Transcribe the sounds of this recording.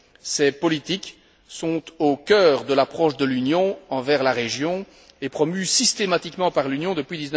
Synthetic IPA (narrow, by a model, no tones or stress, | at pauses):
sɛpɔlit̪ik | sɔ̃t̪okʲœːʁd̪əlapχɔʃd̪əlynjɔ̃ɑ̃vɛʁlaʁeʒjɔ̃ | epχɔmysist̪emat̪ikmɑ̃paʁlynjɔ̃d̪əpɥid̪izn